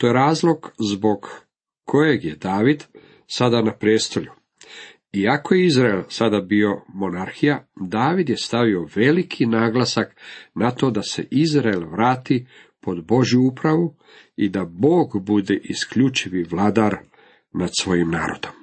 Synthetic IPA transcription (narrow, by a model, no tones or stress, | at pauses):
t̪o̞jeɾaːzlo̞ɡzbo̞ɡː | o̞je̞ɡje̞d̪aːʋid̪ | sad̪anapɾeːst̪o̞ʎu | iako̞jeizɾaelsad̪abio̞mo̞naɾxijad̪aːʋid̪je̞st̪aʋio̞ʋe̞likʰinaːɡlˠasaknat̪o̞d̪ase̞̰ʔizɾaelʋɾaːt̪i | po̞d̪bo̞ʒjuupɾaʋu | id̪abo̞ːɡbud̪eʔiskʎut͡ʃiʋiʋlˠad̪aɾ | nad̪sʋo̞jimnaːɾo̞̰d̪̥om